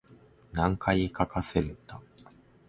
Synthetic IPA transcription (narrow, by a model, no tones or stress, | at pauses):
nãŋkʰaikakase̞ɾet̪a